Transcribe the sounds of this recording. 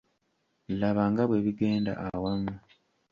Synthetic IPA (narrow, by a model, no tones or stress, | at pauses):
laβaːŋɡaβwe̞ːβiɡe̞ːnda̰ʔawamu